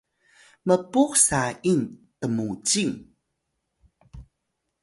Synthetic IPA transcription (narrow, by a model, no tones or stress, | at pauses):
məpuksaintəmut͡ɕiŋ